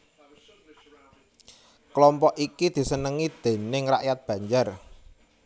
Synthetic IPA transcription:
klɔmpɔʔikid̪̥i̤sənəŋid̪̥e̤nɪŋra̰ʔjat̪̚b̥ä̤ɲd͡ʒar

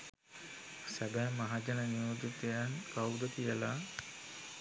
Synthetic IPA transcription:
sæbɛːmːaɦad͡ʒanənijod̪ut̪ejankawd̪ət̪ijəla

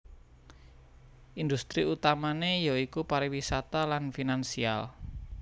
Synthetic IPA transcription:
ʔind̪ust̪ɾiut̪amanejaikupaɾiwisat̪alanfinansia̰l

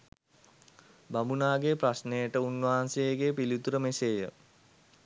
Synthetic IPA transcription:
bamunaːɡeprasnejəʈəunːʋaɦansejəɡeːpilit̪uɾəmeseːjə

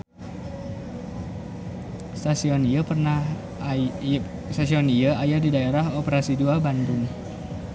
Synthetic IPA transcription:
st̪asiɔniapərnah | st̪asiɔnijaajadidaeɾahopəɾasiduabandʊŋ

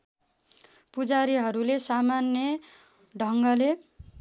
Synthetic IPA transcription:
pud͡zaɾiɦʌɾulesamanjʌ | ɖʱʌŋɡʌle

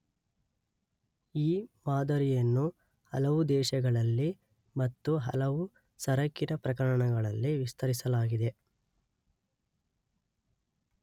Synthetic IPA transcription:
iːmaːd̪ɐɾijɐnːu | hɐlɐʋud̪ɛːʃɐɡɐɭɐlːi | mɐt̪ːuɦɐ̰lɐʋu | sɐɾɐkːiɾɐpɾɐkɐɾɐɳɐɡɐɭɐlːiʋist̪ʰɐɾisɐlaːɡid̪e̞

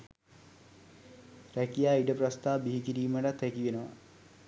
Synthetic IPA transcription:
rækijaːiʈəprast̪aːbiɦikiɾiːməʈat̪ækiʋenəʋa̰

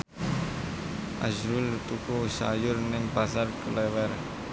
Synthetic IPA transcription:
ʔaʃɾult̪ukusa̰jʊrnɪŋpasarkəlɛwɛr

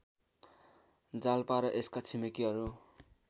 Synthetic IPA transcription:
d͡zalpaɾʌʔeskat͡sʰimikiɦʌɾu

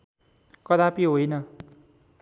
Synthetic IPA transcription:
kʌd̪apiɦojnʌ

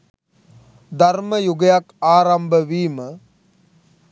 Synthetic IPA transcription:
d̪arməjuɡəjakaːɾambəʋiːmə

